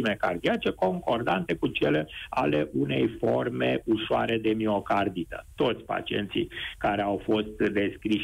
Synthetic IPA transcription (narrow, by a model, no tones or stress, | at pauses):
imekard̪iat͡ʃe̞ko̞ŋko̞rd̪ant̪e̞kut͡ʃe̞leale̞ʔune̞jfo̞rme̞uʃoa̰ɾe̞d̪e̞mio̞kard̪it̪ə̥̰t̪o̞t̪sʲpa̰t͡ʃie̞̰nt̪sḭjkaɾe̞awfo̞st̪d̪e̞skɾiʃ